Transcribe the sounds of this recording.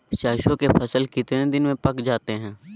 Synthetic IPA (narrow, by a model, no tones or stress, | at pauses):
ʃaːʃõkepʰɐsəlkɪt̪nẽd̪ɪnmẽpɐkd͡ʒaːt̪eɦɛ̃ː